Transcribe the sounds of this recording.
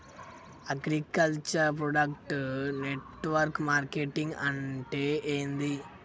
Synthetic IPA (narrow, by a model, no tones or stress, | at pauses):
ɐɡɾikɐlt͡ʃɐɾp̬ɾoːɖɐkʈneʈːʋɐɾkmaːɾkeʈːiŋɡɐɳʈeʔeːnd̪i